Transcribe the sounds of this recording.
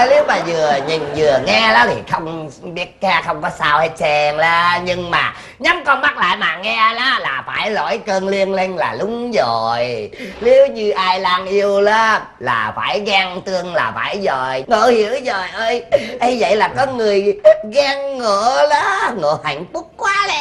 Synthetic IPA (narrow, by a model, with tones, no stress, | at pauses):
li˨˦wmaː˨˩zɨ˨˩əɲi˨˩ŋzɨ˨˩əŋɛ˧la˨˦t̪ʰi˨˩xə˧wŋ͡mɓi˦˥ət̚kaː˧xə˧wŋ͡mkɔ˨˦saː˧whe˦t̚t͡ɕɛ˧ŋlaː˨˦ɲɨ˧ŋmaː˨˩ | ɲa˨˦˥mkɔ˧nma˦˥t̚la̰ː˧˨jmaː˨˩ŋɛ˧laː˨˦laː˨˩faː˧˩jlɔ̰˧˨˩jkəː˧nli˧ənle˧nlaː˨˩lʊ˨˦ŋ͡mzo˨˩jli˨˦wɲɨ˧ʔaː˧jlaː˧ŋʔi˧əwlaː˨˦ | la̰ː˨˩fa̰ː˧˩jɣaː˧ŋt̪ɨ˧əŋlaː˨˩faː˧˩jzo˨˩jŋoː˧˨˦hi˧˩˦əwzə˨˩jʔəː˧jʔə˧jzə̰˧˨jlaː˨˩kɔ˨˦ŋɨ˨˩əjt̚ɣaː˧ŋːoː˧˩˨lɔ˨˦ŋo̰˧˨ha̰˧˨jŋ̟fʊ˦˥k̚kwaː˨˦lɛ˧˨